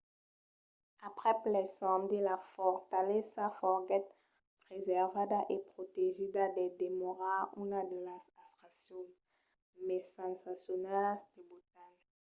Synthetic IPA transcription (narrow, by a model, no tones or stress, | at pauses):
apχɛplɛsɔ̃md̪ilafɔʁt̪alɛsafɔʁɡɛt̪̚ | pʁezɛʁvad̪aʔepχot̪eʒidad̪ɛd̪emɔʁaunad̪əlasast̪χasjɔ̃n | mɛsãnsasjɔnasd̪̥əbut̪aɲ